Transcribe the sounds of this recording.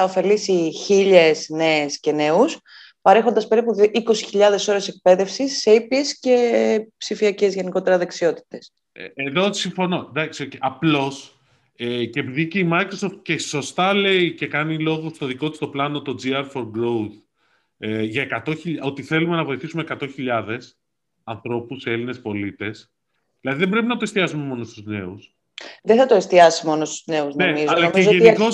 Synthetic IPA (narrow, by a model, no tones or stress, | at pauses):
ɐofe̞lisiçiʎesne̞ːsce̞ne̞us | pɐɾe̞xo̞nd̪ɐspe̞ɾipuiko̞siçiʎɐðe̞so̞ɾe̞sek̚pe̞ðe̞fsisːeipiesce̞psifiɐce̞zʝe̞niko̞t̪e̞ɾɐðeksio̞t̪i̥t̪e̞s | eðo̞siɱfo̞no̞d̪ɐksioceʔɐplo̞s | eceːpiðiceimɐjkɾoso̞ft̪̚ce̞so̞st̪ɐle̞ice̞kɐnilo̞ɣost̪oðiko̞t̪i̥st̪o̞plɐno̞t̪o̞d͡ziɐɾfo̞ɾɡɾowθ | ʝɐekɐt̪o̞çiʎo̞t̪iθe̞lume̞nɐvo̞jθisumekɐt̪o̞çiʎɐðe̞s | ɐnθɾo̞puse̞line̞spo̞lit̪e̞s | ðilɐðiðebɾe̞p̬inɐt̪ost̪iɐsume̞mo̞no̞st̪uzne̞us | ðeθɐt̪oest̪iɐsimo̞nost̪uzneuznemizɐlɐeʝoeniko̞s